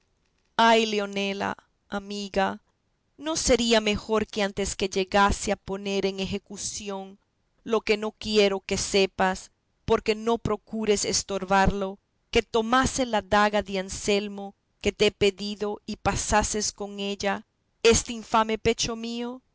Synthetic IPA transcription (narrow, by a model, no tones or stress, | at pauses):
ajleo̞ne̞la̰ | amiɣa | no̞se̞ɾiame̞xo̞ɾkeant̪e̞ske̞ʝe̞ɣaseapo̞neɾe̞ŋexe̞kusjo̞n | lo̞ke̞no̞kje̞ɾo̞ke̞se̞pas | po̞ɾke̞no̞pɾo̞kuɾe̞sest̪o̞ɾβaɾlo̞ | ke̞t̪o̞maselaðaɣaðeanse̞lmo̞ | ke̞t̪eepe̞ðiðo̞ipasase̞sko̞ŋe̞ʎa | e̞st̪eiɱfame̞pe̞t͡ʃo̞mio̞